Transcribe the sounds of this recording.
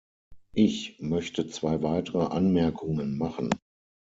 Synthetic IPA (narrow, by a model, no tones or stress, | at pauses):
ʔɪçmœçtət͡sv̥aɪvaɪtəʁəʔanmɛɐkʰʊŋənmaχn̩